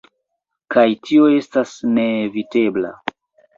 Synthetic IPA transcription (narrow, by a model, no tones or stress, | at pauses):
kajtʰio̞e̞stasneːvite̞bla̰